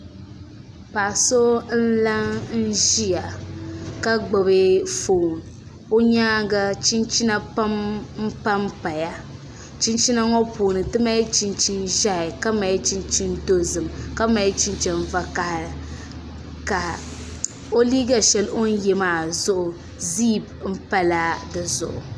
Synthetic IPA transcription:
pa˨ʔso˦n̩˦la˦ŋn̩˦ʒi˦ja˨ | ka˦ɡ͡bo˨be˦fo˨n˨ | o˦ɲaː˦ɡa˦t͡ʃi˦nt͡ʃi˦na˦pa˦mm̩˦pa˦mpa˨ja˦ | t͡ʃi˦nt͡ʃi˦na˦ŋɔ˦puː˨nɨ˨tɨ˦ma˦t͡ʃi˦nt͡ʃi˦nʒa˦ɪ˨ka˦ma˨˦t͡ʃi˦nt͡ʃi˦ndo˦zɨ˨mka˦ma˨˦t͡ʃi˦nt͡ʃɛ˨n˨va˦ka˨hɪ˨ | ka˨ | o˦liː˦ɡa˨ʃɛ˨lʔo˦n˦jɛ˨maː˦˨zʊ˦ʔʊ˨ | ziː˦˨bm̩˦pa˦la˦dɨ˨zʊ̰˨ʔʊ̰˨

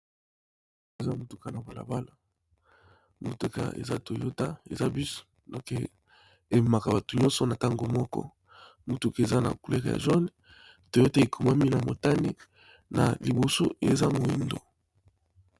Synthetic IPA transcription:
e˨za˦mo˨tu˨ka˨na˨ba˨la̰˨ba˦la˨ | mo˨tu˨ka̰˨ḛ˨za̰˦to˨jo˦ta˦ḛ˨za˦bi˦so̥˨ | no˨ke˨ | e˨ma˨ka˨ba˨tu˨ɲɔ̃˦nsɔ˦na˨ta˦ŋɡo˨mɔ˦kɔ̰˦ | mu˨tu˨ke˨e˨za˦na̰˨ku˨le˦kja̰˨ʒɔ˦n˨ | to˨jo˦te˦e˨kʰu˨ma˦mi˦na˨mo˨ta˦ni˦ | na̰˨li˨bo˨so˦e˨za˦mo˨i˦ndo˨

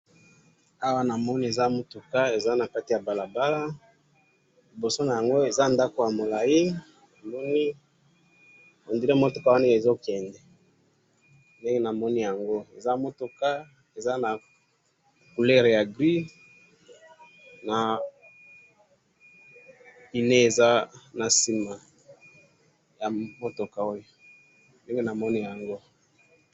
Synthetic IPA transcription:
a˦wa˦na˨mɔ˦ni˦e˨za˦mo˦tu˨ka˦e˨za˦na˨ka˦ti˨ja˨ba˨la˨ba˦la˦ | li˨bo˨so˦na˨ja˨ŋɡo˦e˨za˦nda˦ko˨ja˨mo˨la˨ji˦ | na˨mɔ˦ni˦ | o˨ndi˦le˦mo˦to˨ka˦wa˦ne˦˨e˨zo˦kɛ˨ndɛ˨ | nde˦ŋɡe˦na˨mɔ˦ni˦ja˨ŋɡo˦e˨za˦mo˦tu˨ka˦ | e˨za˦na˨ | ku˨lɛ˦ʁja˨ɡʁi˦ | na˨ | i˨ne˦e˨za˦na˨si˨ma˨ | ja˨mo˦to˨ka˦o˦jo˨ | nde˦ŋɡe˦na˨mɔ˦ni˦ja˨ŋɡo˦

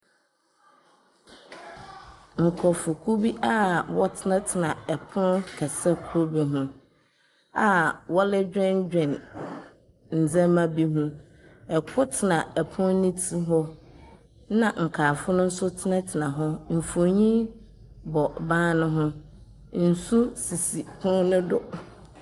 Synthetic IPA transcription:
ŋ̩˨kʰɔ˨fʊ˨kʰu˦bi˦ʔa˦wɔ˦tʰɪ˦nã˦tʰɪ˨nã˨ɛ˨pʰʊ̃˦nkʰɛ˨sɛ˦kʰo˦bi˨ɦũ˦ | a˨wɔ˦lɪ˦d͡ʑᶣɛ̃˦n˦d͡ʑᶣɛ̃˨n | n̩˨d͡zɛ̃˦mã˦bi˦ɦũ˦ | ɛ˨kʰʊ˦tʰɪ˨nã˨ɛ˨pʰʊ̃˦nĩ˦tʰi˦ɦɔ˦ | nã˨ŋ̩˨kʰaː˨fʊ˦nʊ̃˦n̩˦sʊ˦tʰɪ˦nã˦tʰɪ˨nã˨ɦʊ˦m̩˨fo˨ɲĩ˦ | bɔ˨bãː˦nʊ̃˦ɦʊ̃˦ | n̩˨su˦si˨si˨pʰʊ̃˦nʊ̃˦dʊ˨

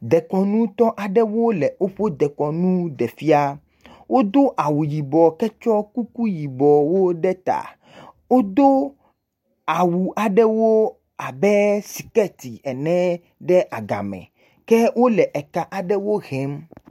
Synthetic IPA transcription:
d̪ɛ˨kɔ˨nũ˦t̪ɔ˦ʔa˨ɖɛ˦wo˦lɛ˨o˦ɸo˦d̪ɛ˨kɔ˨nũ˦d̪ɛ˨fi˦a˦ | wo˦d̪o˦ʔa˨wu˨ji˨bɔ˨kɛ˦t͡ʃɔ˦ku˦ku˦ji˨bɔ˨wo˦ɖɛ˦t̪a̰˨ | wo˦d̪o˦ | a˨wu˨a˨ɖɛ˦wo˦ | a˨bɛ˦si̥˨kɛ˦t̪i˨ɛ˨nɛ̃˦ | ɖɛ˦ʔa˨ɡa̰˨mɛ̰̃˨ | kɛ˦wo˦lɛ˨ʔɛ˨ka˦ʔa˨ɖɛ˦wo˦ɣɛ˦m

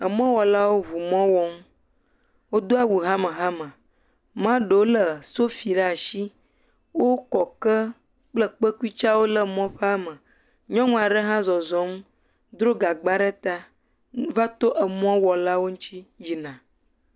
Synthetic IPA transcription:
ə˨mɔ̃˦wɔ˨la˦wo˦βu˨mɔ̃˦wɔ˦ŋ˦ | wo˦d̪o˦a˨wu˨ɦã˦mə˨ɦa˦mə̃˨ | mã˦ɖə˨wo˦lə˨so˦fi˨ɖa˦a˨ʃi˦ | wo˦kɔ˨kə˦ | k͡plə˦k͡pə˦ku˦i˦t͡ʃa˦wo˦lə˦mɔ̃˦ɸe˦a˦mə˨ | ɲɔ̃˦ŋũ˦a˨ɖə˦ɦã˦zɔ˨zɔ̃˨˦m˦ | d̪ɾo˦ɡa˨ɡ͡ba˦ɖə˦t̪a˦ | va˦t̪o˦ʔə˨mɔ̃˦wɔ˨la˦wo˦ŋũ˦t͡ɕi˦ji˨nã˨

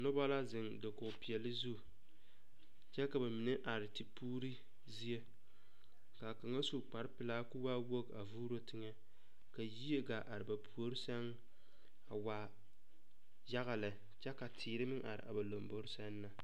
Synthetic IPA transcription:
nʊ˦ba˦la˦zɪ˨ŋdɪ˨kʊ˨pi˨ɛ˨lɪ˦zu˦ | t͡ʃɛ˦ka˨ba˨mɪ˨nɛ˦ʔa˨ɾɪ˨ti˨puː˦ɾi˦ | zi˦je˦ | ka˨ka˨ŋa˦su˦k͡pa˨ɾɪ˦pɪ˨laː˦kʊ˦wa˦wo˦ɡa˨vuː˦ɾo˦tɪ˦ŋɛ˦ | ka˨ji˦e˦ɡa˨ʔa˨ɾɪ˨ba˨pʰu˨o˦ɾɪ˦sɛ˦n˦ | a˨waː˦ | ja˦ɣa˨lɛ˨ | t͡ʃɛ˦ka˨tʰiː˨ɾɪ˦mɪ˦ŋʔa̰˨ɾɪ̰˨ʔa̰˨ba˨lo˨mbo˦ɾɪ˦sɛ˦nː˦a˨

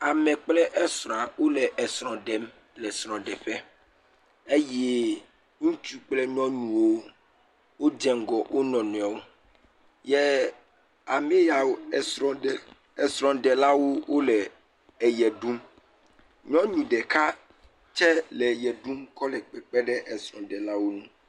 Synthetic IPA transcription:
a˨mɛ̃˨k͡plɛ˦ʔɛ˦sɾɔ̃˨a˨wo˦lɛ˨ʔɛ˨sɾ̃ɔ̃˨ɖɛ˨m | lɛ˨sɾ̃ɔ̃˨ɖɛ˨ɸɛ˦ | e˦jɛ˦ | ŋũ˦t͡ʃu˦k͡plɛ˦ɲɔ̃˦nũ˨wo˦ | wo˦dɛ˨ŋ̩˨ɡɔ˨wʔo˦nɔ̃˨nũ˨a˨wo˦ | jɛ˦ | a˨me˦ja˨wo˦˨sɾɔ̃˨ɛ˨ | ɛ˨sɾɔ̃˨ɖɛ˨la˦wo˦wo˦lɛ˨ | ɛ˨jɛ˨ɖu˦m | ɲɔ̃˦ɲũ˨ɖɛ˨ka˦ | t͡ʃɛ˦lɛ˨jɛ˨ɖu˦mkɔ˦lɛ˨k͡pɛ˨k͡pɛ˦ɖɛ˦ʔɛ˨sɾɔ̃˨ɖɛ˨la˦wo˦nũ˦

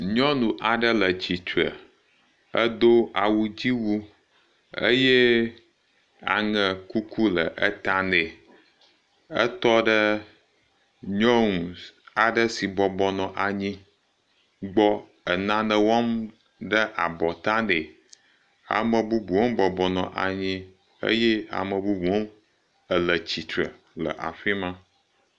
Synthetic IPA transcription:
ɲɔ̃˦nũ˨ʔa˨ɖə˦lə˨d͡ʑi˨t͡ʃu˨ə̰˨ | ə˦d̪o˦a˨wu˨d͡ʑi˦wu˦ | ə̰˦jɛ˦ | a̰˨ŋə˨ku˦ku˦lə˨ʔə˦t̪a˦ne˨ | ə˦t̪ɔ˦ɖə˦ | ɲɔ̃˦ŋũ˨a˨ɖə˦si˨bɔ˨bɔ˨nɔ̃˨ʔa˨ɲĩ˦ | ɡ͡bɔ˦ | ə˨nã˦nə˨wɔ˦m | ɖə˦ʔa˨bɔ˨t̪ã˦ne˨ | a̰˨mə˨bu˦bu˨wo˦mbɔ˨bɔ˨nɔ̰̃˨ʔa̰˨ɲĩ˦ | ə̰˦jɛ˦a̰˨mə̃˨bu˦bu˨wo˦m | ə˨lə˨t͡ɕi˨t̪ɾə̰˨ | lə̰˨ʔa̰˨ɸi˦mã˦

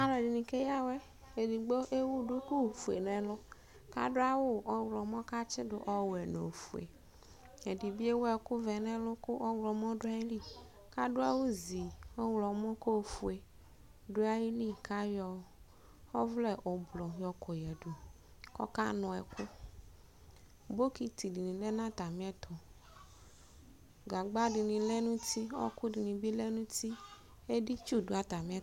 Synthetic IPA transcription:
a˨˦lɛ˨di˨nĩ˨ke˦ja˦wɛ˦ | e˨di˨ɡ͡bo˦ʔe˦wu˦dʊ˦ku˦˨fu˨ḛ˨nɛ̃˨lʊ˦ | ka̰˦dʊ˦a˦wʊ˦ɔ˦wlɔ˨mɔ̃˦ka˦t͡ʃɪ˦dʊ˨ʔɔ˦wɛ˨no˨fu˨ḛ˨ | e˨di˨bi˦e˦wɛ˨kʊ˦vɛ˨nɛ˦lʊ˦kʊ˦ʔɔ˦wlɔ˨m˦ɔ̃˦dʊ˦a˦i˦li˦ | ka˦dʊ˦a˦wʊ˦zi˨ɔ˦wlɔ˨mɔ˦ko˦˨fu˨e˨ | ɖo˦a˦ji˦lĩ˦ka˦jɔ˦ | ɔ˦vlɛ˦˨ʔo˨blɔ˨jɔ˨ko˨jɛ˨ɖu˨ | kɔ̰˦ka˦nɔ̃˨ɛ̰˨kʊ˦ | bo˦ki˨t̪i˨di˨nĩ˨lɛ˦nã˦t̪a˨mĩ˦ɛ˦t̪ʰɔ˨ | ɡa˨ɡ͡ba˦ɖi˨nĩ˨lɛ˦nũ˦t̪i˦ɔ̰˦ku˦di˨nĩ˨bi˦le˦nũ˦t̪i˦ | e˦ɖi˦t͡ʃu˦do˦a˦t̪a˨mĩ˦a˦˨

